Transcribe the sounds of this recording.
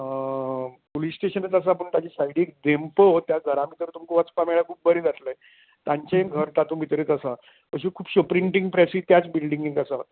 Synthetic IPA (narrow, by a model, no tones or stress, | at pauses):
polisːʈeɕənət͡sas̬ap̬əɳt̪jat͡ɕisajɽiek̚d̪empət̪jaɡʱəɾãmit̪əɾt̪umkuʋat͡spameɭakʰuːp̚bəɾed͡zat̪ləj | t̪aɲt͡ɕeenɡʱəɾt̪at̪ũːbʱit̪ɾet͡s̪asa | pəɕikʰuːpɕəpɾiɳʈiŋɡ̚pɾɛsiːt̪jat͡sbilɖiŋɡiŋt̪asa